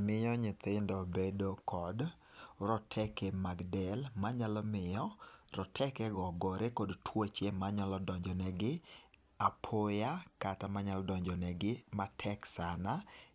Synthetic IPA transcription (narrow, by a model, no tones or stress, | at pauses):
mɪjɔɲɪt̪ɪndɔbedokʰɔd | ɾɔtʰɛkɛmaɡdɛlmaɲalɔmɪjɔrɔtʰɛkɛɡɔɡɔɾekodtʰwot͡ʃemaɲalɔdɔɲd͡ʒɔnɛɡɪ | apʰojakatamaɲalɔdɔɲd͡ʒɔnɛɡɪmatʰɛksana